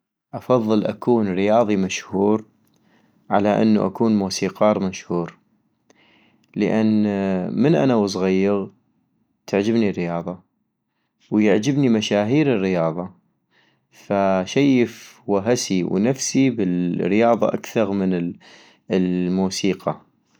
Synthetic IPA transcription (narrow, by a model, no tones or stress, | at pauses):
ʔɑfɑðˤːɨlʔa̰kʰuːnɾɪjɑːðˤimaʃhuːɾ | ʕa̰laʔɪ̰nːṵʔa̰kuːnmuːsiːqɑːɾˤmaʃhuːɾ | ləʔanːmənʔa̰nawɑs̬ˤɣajːɪɣ | t̪ʰaʕd͡ʒɪbnirːɪjɑːðˤɑ | wjɪʕd͡ʒɪbnimaʃaːɦiːɾɪrːɪjɑːðˤɑ | faʃajəfwaɦasiwnafsibɪlɾɪjɑːðˤɑ̰ʔa̰kθɑɾˤmən | lmuːsiːqɑ